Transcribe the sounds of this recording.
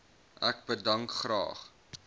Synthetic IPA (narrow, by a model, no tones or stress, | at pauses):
ʔæk̚bədɐŋkχrɑ̰ːχ